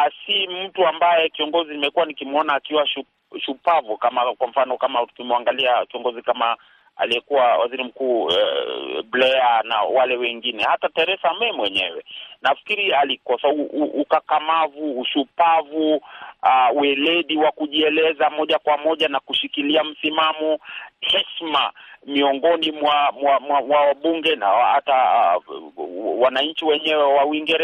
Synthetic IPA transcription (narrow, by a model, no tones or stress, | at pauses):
asim̩tuambajɛkiɔŋɡɔzinimɛkuwanikimɔnaːkiwaʃu | ʃupavukamakwam̩fanɔkamatu̥kimuaŋɡaliakiɔŋɡɔzikama | a̰lijɛkuwawa̰ziɾim̩kuːɛ̰blɛana̰walɛwɛŋɡinɛhatataɛɾɛsamɛmwɛɲɛ̰wɛ̰nafi̥kiɾialikɔsauuːkakamavuːʃupavuawɛlɛɗiwakuʄiɛlɛzamɔʄakwamɔʄanakuʃikiliam̩simamɔhɛʃma̰miɔŋɡɔnimwamwamwamwawaɓuŋɡɛna̰hata | wanaɲ̩t͡ʃiwɛɲɛwɛwauiŋɡɛɾɛ